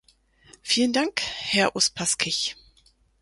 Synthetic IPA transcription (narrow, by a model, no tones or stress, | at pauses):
fiːləndaŋkhɛɐʔʊspʰaskʰɪç